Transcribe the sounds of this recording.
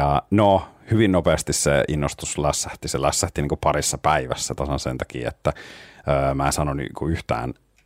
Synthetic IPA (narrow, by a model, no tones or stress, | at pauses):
ɑnohyʋinnopeːst̪issḛinːost̪uslæsːæht̪iselæsːæht̪iniːŋkupɑɾisːɑpæiʋæ̰sːæt̪ɑsɑnsent̪ɑkḭːḛt̪ːæəːmæːsɑnony̰kuyht̪æ̰ːn